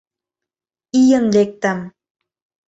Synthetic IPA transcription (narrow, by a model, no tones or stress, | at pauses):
ijənlek̚t̪am